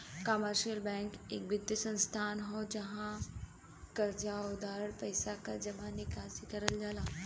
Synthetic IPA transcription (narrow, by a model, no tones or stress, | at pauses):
kəməɾɕiəlbɛ̃ŋkḛk̚bid̪jəsə̃nst̪ʰanɦod͡ʑəɦã | kəɾd͡ʑaud̪aɾəɽpəjsakaɾd͡ʑəʋanikasikəɾəld͡zʱala